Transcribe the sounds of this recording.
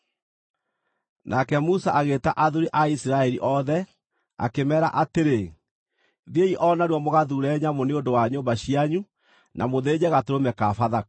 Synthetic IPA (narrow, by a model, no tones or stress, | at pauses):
nʔakɛmusaʔaɣetaʔaðuɾiʔaisɾaɛɾiʔɔðɛ | a̰kemɛːɾa̰ʔateɾe | ðieiʔɔnaɾwɔmoɣaðuɾɛːɲamoneondowaɲoːmbaɕiaɲu | nʔamoðeːd͡ʑɛɣatoɾomɛkafaða